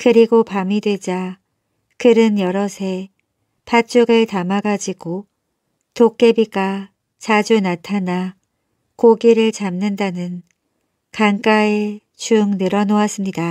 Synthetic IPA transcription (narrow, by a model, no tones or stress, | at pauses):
kɯɾiɡopamidwe̞d͡ʑa | kɯɾɯnjʌɾʌsʰe̞ | pʰat͡ɕ͈uɡɯɭtamaɡad͡ʑiɡ̥o | tok̚k͈e̞biɡa | t͡ɕad͡ʑunatʰana | koɡiɾɯɭt͡ɕamnɯndanɯn | kaŋk͈ae̞ | t͡ɕuŋnɯɾʌnoas͈ɯmɲida